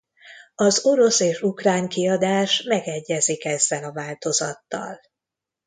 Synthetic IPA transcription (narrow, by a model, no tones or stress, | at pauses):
ɒzo̞ɾo̞seːʃukraːɲkiɒd̪aːʃmɛɡɛɟːɛzikɛzːɛlɒvaːlt̪o̞zɒt̪ːɒ̰l